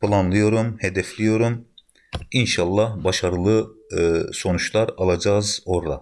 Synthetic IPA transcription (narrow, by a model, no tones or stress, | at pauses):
pʰɯlˠanlˠɯjo̞ɾumhed̪ɛflʲijo̞ɾum | inʃalˠːahbaʃaɾɯlˠɯ | so̞nut͡ʃlˠaɾalˠad͡ʒaːzoɾda̰